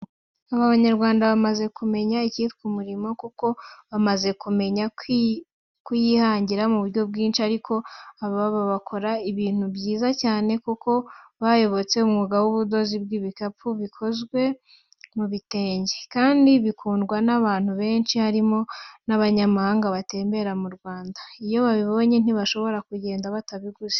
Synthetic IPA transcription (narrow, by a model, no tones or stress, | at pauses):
aβaβaɲaɾɡwaːndaβamaze̞kume̞ɲaicifkumuɾimo̞kuko̞βamaze̞kume̞ɲa | kujihaːɲɟiɾamuβuɾɟo̞bɡiːnʃiaɾikʰo̞aβββaβakʰo̞ɾaiβiːn̥ubɟiːzacaːne̞kuko̞βajo̞βo̞t͡se̞umŋuɡawuβudo̞zibɡiβikapuβikʰo̞zɡwe̞ | muβite̞ːɲɟe̥kaːndiβikʰuːndɡwanaβaːn̥huβe̞ːnʃihaɾimo̞naβaɲamahaːŋɡaβate̞ːmbe̞ɾamuɾɡwaːndaijo̞βaβiβo̞ɲe̞n̥iβaʃo̞βo̞ɾakuɟe̞ːndaβataβiɡuze̥